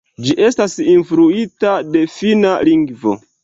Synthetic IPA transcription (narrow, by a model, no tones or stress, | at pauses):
d͡ʒiʔe̞stasinfɾuitade̞finaliŋɡvo̞̰